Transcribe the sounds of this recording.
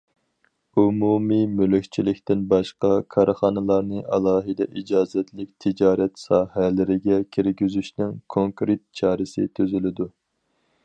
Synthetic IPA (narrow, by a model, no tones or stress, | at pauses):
umumimylykʲt͡ʃʰilɪkʲt̪ɪnbɑʃqɑkʰɑɾχɑːnɨlˠɑɾnɨʔɑlˠɑːɦɨd̪ɛ̰ʔid͡ʒɑːzɛt̪lɪk̚ʲt̪ʰid͡ʒɑːɾɛt̪sɑːhɛlɪɾɪɡʲɛkʲʰiɾɡʲyzyʃnɪŋkʰoŋkɾet̪̚t͡ʃʰɑːɾɪsɪ̰t̪ʰyzylɪd̪u